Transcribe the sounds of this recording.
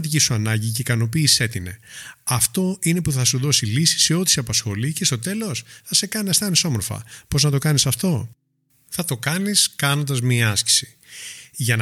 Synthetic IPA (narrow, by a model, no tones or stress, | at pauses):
t̪icisuɐnɐɲɟiceikɐno̞piːsi̥se̞t̪ine̞̰ɐft̪o̞ine̞puθɐsuðo̞silisi̥se̞o̞t̪i̥siɐpɐsxo̞lice̞st̪o̞t̪e̞lo̞sθɐse̞kɐnest̪ɐniso̞mo̞ɾfɐ̰po̞znɐt̪o̞kɐnisɐft̪o̞ | θɐt̪o̞kɐniskɐno̞nd̪ɐzmiɐɐsci̥si̥ | ʝɐn